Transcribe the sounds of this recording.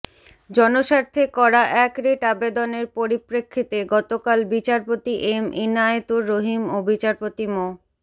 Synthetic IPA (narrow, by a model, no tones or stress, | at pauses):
d͡ʑɔnoʃaɾt̪ʰekɔɾaʔɛkɾeʈabed̪oneɾpoɾipɾekʰːit̪eɡɔt̪okalbit͡ɕaɾpot̪iʔeminaet̪uɾːoɦimobit͡ɕaɾpot̪imo